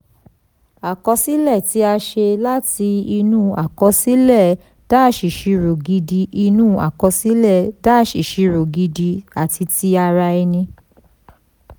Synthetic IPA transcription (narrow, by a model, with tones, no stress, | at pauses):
a˨kɔ˧si˦lɛ˦˨ti˨˦a˧ʃe˧la˦ti˧i˧nũ˦a˨kɔ˧si˦lɛ˦˨ | d̥a˦ʃi˨ʃi˨˧ɾo˨ɡi˧di˧ʔi˧nũ˦a̰˨kɔ˧si˦lɛ˦˨da˦ʃi˨ʃi˨˧ɾo˨ɡi˧di˧a˨ti˧ti˧a˧ɾa˧i˧nĩ˧